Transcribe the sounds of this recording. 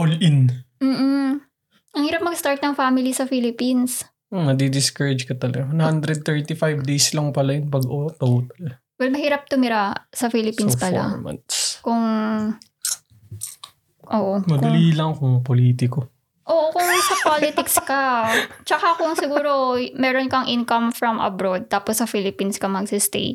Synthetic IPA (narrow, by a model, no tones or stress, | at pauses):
olʔɪnm̩ː | ʔɐŋhiːɾɐp̚mɐɡst̪aɹt̪̚nɐŋfamɪlisɐfilɪpins | omɐd̪id̪ɪskɐɹɪd͡ʒkɐt̪ɐlɐɡɐwɐnhand̪ɾɛd̪̚t̪ɛɹt̪ɪfajvd̪ejslɐŋpɐlajʊnpɐɡʔot̪ɐwt̪ɐlɐɡ | wɛlmɐhiːɾɐp̚t̪ʊmɪɾasɐfilɪpinspɐla̰ɹmɐ̰nt̪skʊŋ | ʔoːʔomɐkd̪ɐliːlɐŋkʊŋpoliːt̪ɪko | ʔoːʔokʊŋsɐpolɪt̪ɪkskɐt͡ʃɐkakʊŋsɪɡuːɾomɛːɾonkɐŋʔɪnkɐmfɾɐmʔɐ̰bɾod̪̚t̪aːposːɐfilɪpinskɐmɐɡsɪst̪ḛjt̪